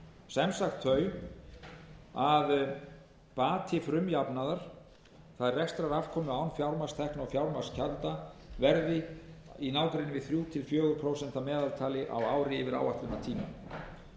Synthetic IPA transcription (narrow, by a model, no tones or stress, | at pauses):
sɛmsaxt̪ʰːœːɥ | að | paːt̪ʰɪfɾʏmjapnaðaɾ̥ | θaðrɛxst̪ɾaɾafkʰɔːmʏaːwnfjawɾmarst̪ʰɛhknɔfjawɾmḁscʰalt̪avɛɾðɪinaːwkɾɪnɪvɪðθɾjuːt̪ʰɪlfjœːɣʏɾpʰɾowsɛnt̪amɛːðalt̪ʰaːlɪʔa̰waːwɾɪːvɪɾa̰ːwaht̪lʏmat̪ʰiːma̰n